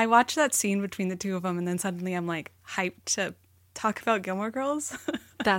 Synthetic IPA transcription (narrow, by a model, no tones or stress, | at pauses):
aɪwɑt͡ʃðɨtsĩnbɨtʰw̥ĩnðɨtʰʉʌvðə̃mə̃nðɨ̃nsʌdⁿn̩liãɪ̃mlaɪkhaɪp̚tʰɨ | tʰɔkəb̥aʊt̚ɡ̥ɪlˠmə˞ɡɜ˞lˠz̥ðæ